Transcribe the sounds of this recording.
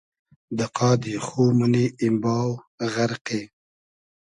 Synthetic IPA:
d̪əqɑːd̪ixoməneɪmbɑːw | ɣaɾqe

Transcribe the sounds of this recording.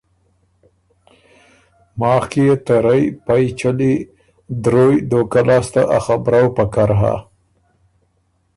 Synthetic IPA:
mɑːxkijet̪eɾajpajt͡ʃali | d̪ɾojd̪okalɑst̪aʔaxabɾawpakaɾɦa̰

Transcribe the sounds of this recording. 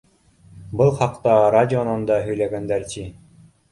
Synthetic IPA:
bɤlˠχɑqt̪ɑɾadʲɪonɑnd̪ɑɦɵ̆jlæɡænd̪æɾt̪ʲi

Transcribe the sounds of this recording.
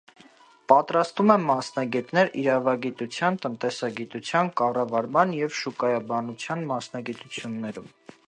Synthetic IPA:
pɑt̪ɾɑst̪vumɛːɑsnɑɡɛt̪nɛɾiɾɑvɑɡit̪ut͡sʰjɑnt̪ənt̪ɛsɑɡit̪ut͡sʰjɑnkɑrɑvɑɾmɑnjɛvʃukɑjɑbɑnut͡sʰjɑnmɑsn̪ɑɡit̪ut͡sʰjunːɛɾum

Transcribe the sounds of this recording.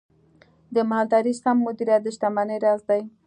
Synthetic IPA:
d̪əmaɦald̪ɑɾisamːʊd̪iɾat̪̚d̪əʃt̪amanəjɾɑzd̪aj

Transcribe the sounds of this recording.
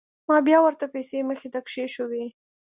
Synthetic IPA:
mɑbjɑwəɾt̪apajseməxet̪akʃeʃəwi

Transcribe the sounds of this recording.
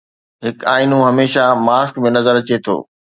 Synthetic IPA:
ɦɪkaːinũɦɐmeːʃamaːskmẽnɐzəɾɐt͡ɕet̪ʰo̰ː

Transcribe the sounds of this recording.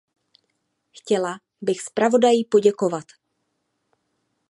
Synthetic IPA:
xcɛla | bɪxspɾavo̞dajipoɟɛko̞vat̪

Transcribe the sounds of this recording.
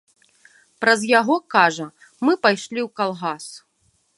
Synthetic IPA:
pɾɐzjaɣɔkaʐɐ | mɨpajʂlʲiwkalˠɣas

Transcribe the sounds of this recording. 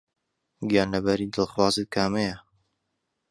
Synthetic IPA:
ɡiaːnɐbɐɾid̪ɨlˠxwɑːzɨt̪̚kʰaːmejɐ

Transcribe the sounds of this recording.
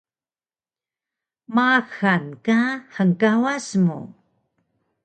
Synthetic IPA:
maxankaħəŋkawasmṵ

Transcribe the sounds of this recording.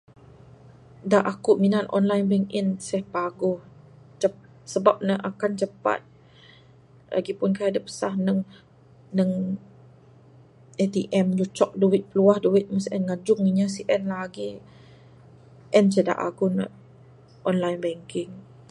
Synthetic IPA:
daʔakuʔminanʔɔ̰nlajnbɛŋkinsɛhpaɡʊh | t͡ʃə | səbap̚nəʔakant͡ʃəpa̰t̪̚ | la̰ɡipʊnkaadəpə̥sahnəŋ | nəŋ | et̪iʔɛmd͡ʒut͡ʃɔk̚duwɪt̪̚pəluahduwɪt̪̚məsʔɛnŋad͡ʒʊŋiɲasiʔɛnlaaɡi | ʔɛns̬əda̰ʔa̰ɡʊn̰ | ʔɔnlajnbɛŋkɪŋ

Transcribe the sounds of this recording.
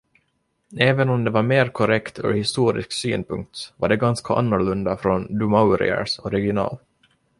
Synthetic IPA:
eːvənɔmd̪ɛvaɾmeːɾkʰɔɾɛkt̪ʰœ̰ɾhɪst̪uːɾɪ̰sksy̰ːnpʰɵŋk̚t̪vaɖɛɡanskʰaʔa̰nːʊɭɵnd̪afɾɔnd̪ɵmaʊɾɪ̰ə̰ʂɔɾɛɡɪʊnɑ̰ːl

